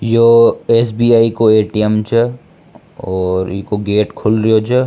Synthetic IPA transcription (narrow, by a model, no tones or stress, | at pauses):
joesbiːaːikoeːʈiemt͡ʃʰə | ɔːɾkoɡeːʈkʰʊlɾiot͡ʃʰə